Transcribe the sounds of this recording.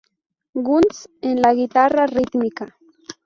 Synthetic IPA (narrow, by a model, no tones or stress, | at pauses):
ɢʊnt͡senlaɡit̪ararɪt̪mɪka